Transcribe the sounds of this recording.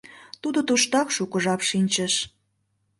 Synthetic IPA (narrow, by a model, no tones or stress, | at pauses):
t̪ud̪ot̪uʃt̪ɑkʃukə̆ʒɑpʃinʲt͡ɕəʃ